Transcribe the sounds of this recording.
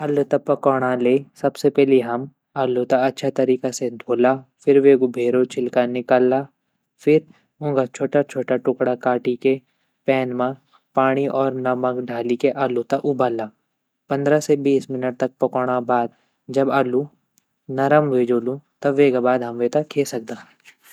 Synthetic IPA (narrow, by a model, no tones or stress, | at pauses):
ɐlut̪ɐpɐkɔːɽ̃aleːsɐbsepɛːliɦɐm | ɐlut̪aɐtːʃʰat̪ɐɾiːkased̪ʱoːlaːfɪɾʋeːɡʊbʱeːɾot͡ʃʰɪlkanɪkalaː | fʰɪɾ | ʊ̃ɡat͡ʃʰoːʈat͡ʃʰoːʈaʈʊkɽakaːʈike | pɛːnmã | paːɽ̃iʔɔːɾnɐmɐkɖʱaːlikeʔaːlut̪aʔʊbaːlaː | pɐ̃nd̪ɾasebiːsmɪnəʈ̚t̪ɐk̚pɐkɔɽ̃abaːd̪̚ | d͡ʒɐbaːlũ | nɐɾəmʋeːd͡ʒoːlũt̪ɐʋeːɡabaːd̪ɦɐmʋeːt̪ɐkʰːeːsɐk̚d̪ãː